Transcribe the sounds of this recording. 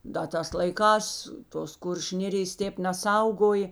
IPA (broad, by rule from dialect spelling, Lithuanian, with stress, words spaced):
dɐ ˈtɑːs lˠɐɪˈkɑːs toːs ˈkʊrʲʃʲʊ ˈnʲeːrʲɪjɛs ˈtʲeːp nʲɛˈsɐʊɡoːj